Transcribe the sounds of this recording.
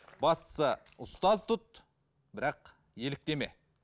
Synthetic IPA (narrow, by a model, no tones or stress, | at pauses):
bɑst̪ə̥sə | ʊst̪ɑzt̪ʰʊt̪̚ | bɪɾɑq | je̞lɪk̚t̪e̞me̞̰